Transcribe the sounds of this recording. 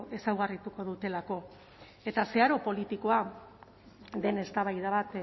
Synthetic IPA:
ʔe̞sawɣarit̪uko̞ðut̪e̞lako̞ | e̞t̪ase̞aɾo̞po̞lit̪iko̞a | d̪e̞ne̞st̪aβajðaβat̪

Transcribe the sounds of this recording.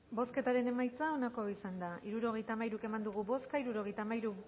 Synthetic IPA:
bo̞ske̞t̪aɾe̞ne̞majt͡sao̞nako̞isand̪aiɾuɾo̞ɣ̞e̞jt̪amajɾuke̞mand̪uɣuβo̞skaiɾuɾo̞ɣ̞e̞jt̪amajɾu

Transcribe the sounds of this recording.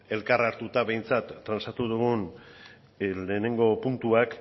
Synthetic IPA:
e̞lkaraɾt̪ut̪aβe̞jnt͡sat̪ːɾansat̪uð̞uɣ̞un | le̞ːne̞ŋɡo̞punt̪uak

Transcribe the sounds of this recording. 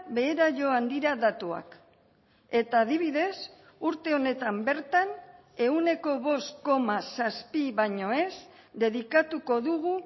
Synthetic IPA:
be̞ːɾaʝo̞and̪iɾaðat̪ua̰k | e̞t̪aːð̞iβ̞iðe̞s | uɾt̪e̞o̞ne̞t̪ambe̞ɾt̪an | e̞une̞ko̞βo̞st̪ko̞masaspiβaɲo̞e̞s | d̪e̞ðikat̪uko̞ðuɣu

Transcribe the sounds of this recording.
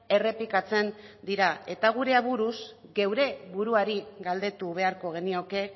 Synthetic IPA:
e̞re̞pikat͡se̞nd̪iɾae̞t̪aɣ̞uɾe̞aβuɾusɣe̞wɾe̞βuɾuaɾiɣald̪e̞t̪uβ̞e̞aɾko̞ɣe̞nio̞ke

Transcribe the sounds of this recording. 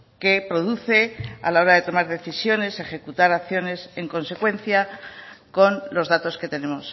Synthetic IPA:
ke̞pɾo̞ðuθe̞a̰lao̞ɾaðe̞t̪o̞maɾðe̞θisjo̞ne̞se̞χe̞kut̪aɾakθjo̞ne̞se̞ŋko̞nse̞kwe̞nθjako̞nlo̞zðat̪o̞ske̞t̪e̞ne̞mo̞s

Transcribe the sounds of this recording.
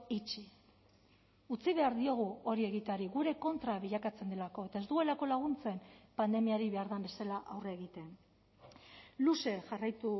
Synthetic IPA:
it͡ʃi | ut͡siβ̞e̞aɾðio̞ɣ̞uo̞ɾie̞ɣit̪eaɾiɣuɾe̞ko̞nt̪ɾaβ̞iʎakat͡se̞nd̪e̞lako̞e̞t̪ae̞zt̪ue̞lako̞laɣ̞unt͡se̞mpand̪e̞miaɾiβe̞aɾðambe̞salaʔawreːɣit̪e̞n | luse̞ʝarajt̪u

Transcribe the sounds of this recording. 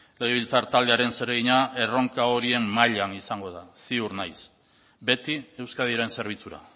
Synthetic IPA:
le̞ɣ̞eβ̞ilt͡saɾt̪ald̪eaɾe̞nse̞ɾeɣiɲae̞ro̞ŋkao̞ɾie̞mːaʎanisaŋɡo̞ðasiuɾnajs | be̞t̪ie̞wskað̞ieɾe̞nse̞ɾβ̞it͡suɾa̰

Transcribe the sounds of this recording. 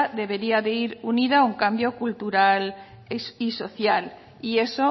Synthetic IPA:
ðe̞β̞e̞ɾiaðeiɾuniðauŋkambjo̞kult̪uɾal | iso̞θjal | ie̞so

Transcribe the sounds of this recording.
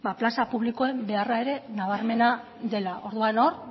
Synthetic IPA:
baplasapuβliko̞e̞mbe̞arae̞ɾe̞naβ̞aɾme̞na | d̪e̞laʔo̞ɾðuano̞ɾ

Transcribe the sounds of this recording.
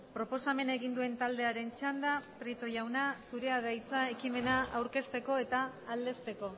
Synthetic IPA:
pɾo̞po̞same̞naeɣ̞ind̪ue̞nt̪ald̪e̞aɾe̞nt͡ʃand̪apɾet̪o̞ʝawnasuɾe̞aðajt͡sae̞kime̞naawɾke̞st̪e̞ko̞e̞t̪aːld̪e̞st̪e̞ko̞

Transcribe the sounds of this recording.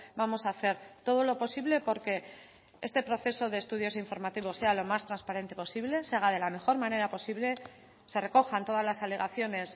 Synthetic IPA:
bamo̞saːθe̞ɾt̪o̞ð̞o̞lo̞po̞siβle̞po̞ɾke̞ | e̞st̪e̞pɾo̞θe̞so̞ðe̞ːst̪uð̞jo̞siɱfo̞ɾmat̪iβo̞se̞alo̞mast̪ɾanspaɾe̞nt̪e̞po̞siβle̞seaɣað̞e̞lame̞xo̞ɾmãne̞ɾapo̞siβle̞ | se̞re̞ko̞xant̪o̞ð̞azlasaleɣaθjo̞ne̞s

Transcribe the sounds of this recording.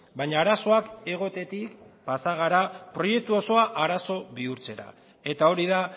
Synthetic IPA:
baɲaːɾaso̞ake̞ɣ̞o̞t̪e̞t̪ikpasaɣ̞aɾapɾo̞je̞k̚t̪uo̞so̞aʔaɾaso̞βiuɾt͡se̞ɾa̰ | e̞t̪ao̞ɾiða

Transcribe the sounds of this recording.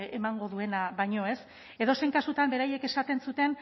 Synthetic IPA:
e̞maŋɡo̞ðue̞naβajɲo̞e̞s | e̞ðo̞se̞jŋkasut̪ambe̞ɾaje̞ke̞sat̪e̞nsut̪e̞n

